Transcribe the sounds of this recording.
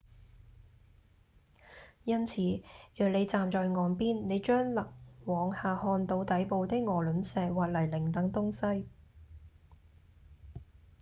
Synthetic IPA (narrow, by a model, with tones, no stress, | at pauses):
jɐ˥nt͡sʰiː˨˥jœː˨k̚le˨˧jt͡saː˨mt͡ʃɔː˨jŋɔː˨˧npiː˥nne˨˧jt͡ʃœː˥ŋlɐ˨k̚wɔː˨˧ŋhaː˨hɔː˧nt̪o˧wt̪ɐ˨˥jpo˧wt̪ɪ˥k̚ŋɔː˨˩lɵ˨˥nsɛː˧waː˨˩t̚lɐ˨˩jlɪ˨˩ŋt̪ɐ˨˥ŋt̪ʊ˥ŋsɐ˥j